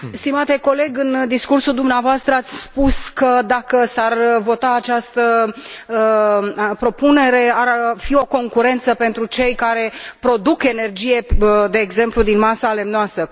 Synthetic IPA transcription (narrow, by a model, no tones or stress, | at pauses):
st̪imat̪e̞ko̞le̞ɡɨnd̪iskursuld̪umneavoast̪ɾəat̪sʲspuskəd̪akəsarvo̞t̪aːt͡ʃast̪ə | pɾo̞pune̞ɾe̞aɾfio̞ko̞ŋkuɾe̞nt̪səpe̞nt̪ɾut͡ʃe̞jkaɾe̞pɾo̞d̪uke̞ne̞rd͡ʒije̞d̪e̞ːɡze̞mplud̪inmasale̞mnoasə